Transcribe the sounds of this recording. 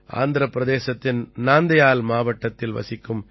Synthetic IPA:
a̰ːnd̪ɪɾɐpːɾɐðeːsɐt̪ːɪnnaːnd̪ɐjaːlmaːʋɐʈːɐt̪ːɪlʋɐ̰sɪkːɯm

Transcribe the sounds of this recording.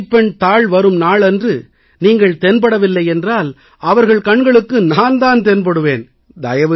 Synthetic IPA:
pːɛɳt̪aːɭʋɐɾɯmnaːɭɛndrɯ | niːŋɡɐɭt̪ɛnpɐɽɐʋɪlːɐɪɛndraːl | ɐʋɐɾɣɐɭkɐɳɡɐɭɯkːɯnaːnd̪aːnt̪ɛnpɐɽɯʋeːn | d̪ɐjɐʋɐ

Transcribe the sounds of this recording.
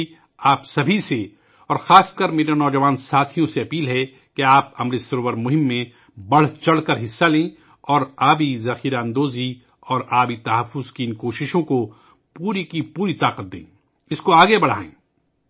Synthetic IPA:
aːpsɐbʱise | ɔːɾxaːst̪̚kəɾmeːɾenɔːd͡ʒɐʋaːnsaːt̪ʰijõseɐpiːlɦɛ | keaːpɐmɾesʊɾʋəɾmʊɦɪmːẽ | bɐɽ̤t͡ʃɐɽkɐɾɦɪsːalẽː | ɔːɾaːbizɐxiːɾaə̃nd̪oːzi | ɔːɾaːbit̪ɐɦəfːʊzkiɪnkoːʃɪʃõko | puːɾikipuːɾit̪aːqət̪̚d̪ḛ̃ː | ɪskoaːɡebɐɽ̤a̰ːḛ̃ː

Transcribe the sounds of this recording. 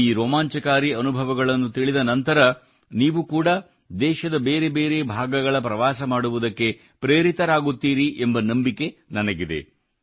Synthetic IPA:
iːɾɔːmaːɲt͡ʃɐkaːɾiɐnubʱɐʋɐɡɐɭɐnːut̪iɭid̪ɐnɐnt̪ɐɾɐ | niːʋukuːɽɐ | d̪ɛːʃɐd̪ɐbe̞ːɾe̞be̞ːɾe̞bʱaːɡɐɡɐɭɐpɾɐʋaːsɐmaːɽuʋud̪ɐkːe̞ | pɾeːɾit̪ɐɾaːɡut̪ːiːɾiʔembɐnɐmbike̞nɐnɐɡid̪e̞̰

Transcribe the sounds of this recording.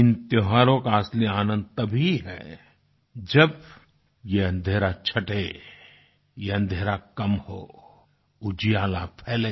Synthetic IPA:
ɪnt̪ɪɦaːɾõkaaːsliaːnə̃nd̪̚t̪ɐbʱiɦɛ̰ː | d͡ʒɐb | jeɐ̃nd̪ʱeːɾat͡ʃʰɐʈe | jeɐ̃nd̪ʱeːɾakɐmho̰ː | ʊd͡ʒijaːlapʰɛːleː

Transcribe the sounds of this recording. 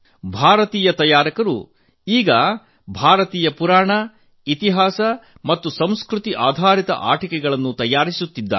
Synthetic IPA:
bʱaːɾɐt̪iːjɐt̪ɐjaːɾɐkɐɾṵ | iːɡɐ | bʱaːɾɐt̪iːjɐpuɾaːɳɐ | it̪iɦaːsɐ | mɐt̪ːusɐmskɾut̪iʔaːd̪ʱaːɾit̪ɐ̰ʔa̰ːʈikɛɡɐɭɐnːut̪ɐjːaːɾisut̪ːid̪ːa̰

